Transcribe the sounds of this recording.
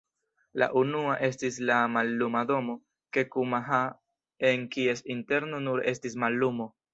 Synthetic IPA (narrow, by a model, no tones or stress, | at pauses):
la̰ʔunuaʔe̞stislamalːumado̞mo̞ | ke̞kumaɦa | e̞nkie̞sinte̞ɾnonuɾe̞stismalːumo̞